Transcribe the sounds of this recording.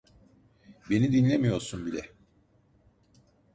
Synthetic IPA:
be̞nid̪inlʲemijo̞ɾsunbilʲɛ

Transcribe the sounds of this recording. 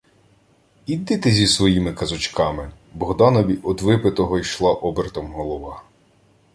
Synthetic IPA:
id̪ɪt̪ɪzʲisʋɔjimɪkɐzʊt͡ʃkɑmɪ | bɔɦd̪ɑnɔʋʲiʔɔd̪ʋɪpɪt̪ɔɦɔjʃlˠɑʔɔbeɾt̪ɔmɦɔlˠɔʋɑ

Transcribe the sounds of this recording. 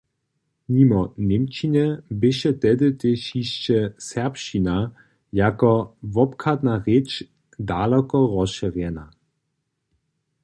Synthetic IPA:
ɲimɔnemt͡ʃinɛbɪʃɛtɛdɪt̪ɪʃiʃt͡ʃɛsɛɐpʃina | jakɔvɔpkʰad̪naʁet͡ʃ | dalɔkɔʁɔsʃɛʁjɛna

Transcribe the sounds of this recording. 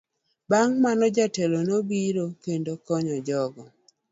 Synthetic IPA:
baŋmanɔd͡ʒatelonobiɾokendokɔɲɔd͡ʒɔɡɔ

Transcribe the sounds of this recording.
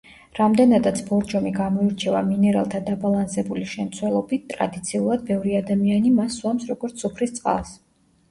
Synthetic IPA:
ɾamd̪ɛnad̪at̪sʰbɔɾd͡ʒɔmiɡamɔiɾt͡ʃʰɛvaminɛɾa̰lˠt̪ʰad̪abalˠansɛbuliʃɛmt̪sʰwɛlˠɔbit̪̚t̪ʼɾa̰d̪it̪sʰiulˠad̪̚bɛvɾiad̪amianimasːwamsɾɔɡɔɾt̪ssupʰɾist̪sʼqʼa̰ls

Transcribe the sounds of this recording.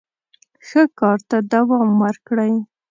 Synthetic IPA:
xəkɑɾt̪ad̪awɑmwəɾkɽəj

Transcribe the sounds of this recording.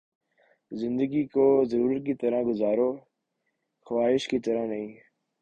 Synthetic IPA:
zɪ̃nd̪əɡiːkoːzəɾuːɾət̪̚kiːt̪əɾãːɡʊzaːɾoː | xəwaːɦɪʃkiːt̪əɾãnəɦĩː

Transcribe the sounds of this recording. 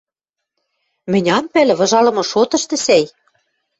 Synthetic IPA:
mɘ̆nʲɑmpælɘ̆βɤ̆ʒɑlɤ̆mɤ̆ʃot̪ɤ̆ʃt̪ɤ̆sæj

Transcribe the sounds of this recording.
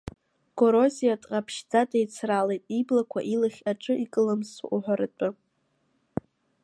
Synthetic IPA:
ɡ̥oɾo̞zijatʼqʼapʰʃd͡zadejt͡sʰralejtʼiblakʷʰa̰ʔilɨχʲaʈ͡ʂʼɨikʼɨlamsṵʔuħʷaɾɨt͡pʷʼɨ

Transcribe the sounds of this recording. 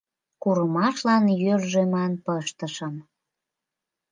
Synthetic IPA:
kuɾəmɑʃlɑnjørʒemɑnpəʃt̪əʃəm

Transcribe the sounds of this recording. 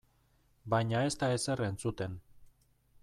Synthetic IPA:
bajɲae̞st̪aese̞rent͡sut̪e̞n

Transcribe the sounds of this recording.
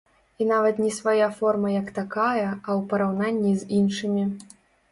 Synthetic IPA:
inavɐt̪nʲɛsvajafɔrmɐjɐkt̪akajɐɐwpɐɾawnanʲːizʲinʂɨmʲi

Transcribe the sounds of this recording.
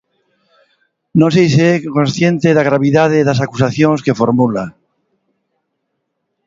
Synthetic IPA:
nosejseekonsθjẽ̞nt̪eðaɣ̞ɾaβiðað̞eðas̬akusaθjoŋske̞foɾmula

